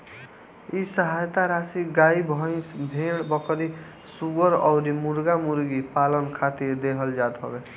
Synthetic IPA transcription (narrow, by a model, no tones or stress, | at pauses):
isəɦajt̪aɾasiɡaibʱʌ̃sbʱeɽbʌkʰɾi | subəɾɔ̰ʊɾimuɾɡamuɾɡipalənkʰat̪iɾd̪eɦəld͡ʒad̪ɦʌ̰be